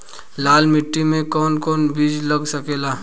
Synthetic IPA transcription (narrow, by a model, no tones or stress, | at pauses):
laːlmɪʈːimẽkɔːnkɔːnbʱiːd͡ʒlɐɡsɐkeːlaː